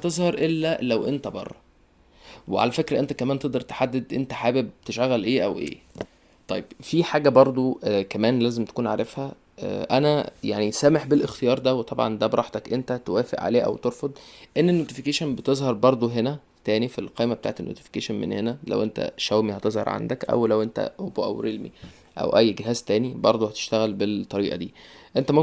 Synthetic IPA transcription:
t̪ezˤhɑɾˤʔelːælæwʔent̪æbɑ̰rˤːɑ | weʕa̰læfekɾæʔent̪ækæmæːnt̪eʔd̪ɑɾt̪e̥ħad̪ːed̪ʔḛnt̪æħaːbeb̚t̪eʃæɣːælʔeːʔæwʔḛː | t̪ˤɑjːeb̥fiħaːɡæbɑɾˤd̪ˤokæmæːnlæːzemt̪æ̥kuːnʕaɾefhæ | ʔʔæ̰næjaʕnisæːmeħbelʔext̪ejɑːɾˤd̪æwet̪ˤɑbʕɑ̰nd̪æbeɾˤɑħt̪ækʔent̪æt̪owæːfḛʔʕa̰leːʔæ̰wt̪eɾfod̪ˤʔenːenːoːt̪ifikeʃænbet̪ezˤhɑɾˤbɑɾˤd̪ˤoɦenæ | t̪æːnifilqɑːjmæbet̪a̰ːʕt̪enːo̰ːt̪i̥fi̥keːʃænmḛnhenælæ̰wʔent̪æ̰ʃæwmihæt̪ezhɑɾˤʕa̰nd̪ækʔæ̰wlæwʔent̪æ̰oboʔæ̰wɾelmḭ | ʔæ̰wʔæjːɡeɦæːzt̪æːnibɑɾˤd̪ˤohæt̪e̥ʃt̪æɣælbet̪ˤːɑɾiːʔɑ̰d̪iːʔent̪æmom

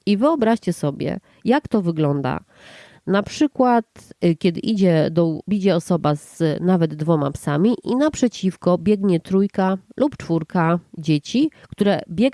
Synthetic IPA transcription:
ivɘɔbɾaɕt͡ɕɛsɔbʲjɛ̰ | jakt̪ɔvɘɡlɔnd̪a̰ | napʂɘkwat̪kʲɛd̪ɘ̰ʔid͡ʑɛd̪ɔbʲid͡ʑɛɔsɔbaz̥navɛd̪ːvɔma̰psamʲiʔinapʂɛt͡ɕifkɔbʲjɛɡɲɛt̪ɾujkalʔupt͡ʂfuɾkad͡ʑet͡ɕikt̪uɾɛbʲjɛ

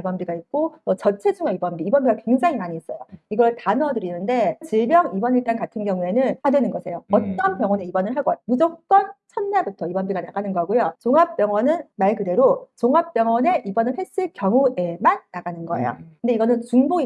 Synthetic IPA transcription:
ibʌnbiɡaik̚k͈ot͡ɕʌt͡ɕʰed͡ʑuŋaibʌnbiːbʌmbiɡakwe̞ŋd͡ʑaŋimaɲies͈ʌjoiɡʌɭtanʌdɯɾinɯnde̞t͡ɕiɭbjʌŋibʌniɭt͈ankatʰɯnɡjʌŋue̞nɯnhadwe̞nɯnɡʌsʰe̞joʌt͈ʌnpjʌŋwʌne̞ibʌnɯɭɦaɡ͈ʌmud͡ʑok̚k͈ʌnt͡ɕʰʌnːabutʰʌibʌnbiɡanaɡanɯnɡʌɡojot͡ɕoŋap̚p͈jʌŋwʌnɯnmaɭkɯde̞ɾot͡ɕoŋɦap̚p͈jʌŋwʌne̞ʔibʌnɯɭɦe̞s͈ɯɭkjʌŋue̞manːaɡanɯnɡʌḛjo̰kkɯnde̞iɡʌnɯnt͡ɕuŋboi

